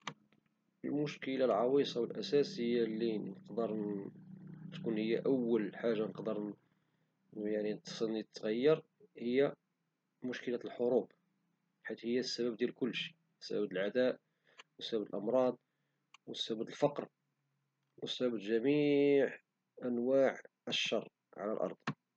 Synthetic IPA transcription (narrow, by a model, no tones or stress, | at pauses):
əlmʊʃkəlalʕɑwisˤɑwəlʔæsæsəəjːalːinəqd̪əɾˤ | t̪kunhəjːaʔæwːəlħaʒːanəqd̪əɾ | jaʕninət̪sˤənit̪ːɣæjːɑɾ | həjːa | mʊʃkəlælħoɾub | ħat̪həjːasːæbæb̚d̪jælkʊlːʃi̥ | sːæ̰bæbb̪əlʕad̪æʔ | wəsbæbd̪əlʔɑmɾˤɑd̪̚ˤ | wəsːæbbæd̪əlfɑqɾ | wəsːæbæbʒæmiʕ | ʔænwaʕʔəʃːɑrˤː | ʕa̰læ̰lʔɑ̰ɾˤd̪ˤ